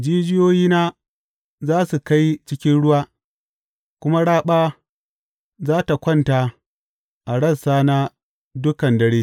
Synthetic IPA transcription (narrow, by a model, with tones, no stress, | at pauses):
d͡ʒiː˦d͡ʒɪ˦joː˦jiː˦naː˦ | zaː˦su˨ka˦jt͡ʃɪ˦kʲɪ˦nɽʊ˦waː˦ | kʷʊ˦ma˦ɽaː˦ɓaː˦ | zaː˦ta˨kʷɔ˦nta˨ | ʔa˨ɽɐ˦saː˦na˦ | dʊ˦kɐ˨ndɐ˦ɽeː˦